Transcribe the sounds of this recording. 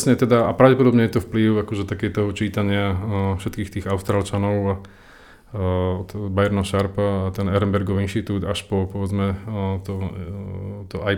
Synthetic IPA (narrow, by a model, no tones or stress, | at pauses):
sɲɛt̪ɛd̪aapɾaʊɟɛpɔd̪ɔbɲɛjɛt̪ɔfpliʊakɔʒɛt̪akɛjt̪ɔɦɔt͡ʃiːt̪aɲɪafʃɛt̪̚kiːxt̪iːɣaʊst̪ɾaːlt͡ʃanɔʊa | bajɛɾnaʃaɾpaːt̪ɛnɛɾɛnbɛɾɡɔʋiinʃt̪it̪uːd̪aʃpɔpɔʋɛd͡zmɛt̪ɔ | t̪ɔʔaj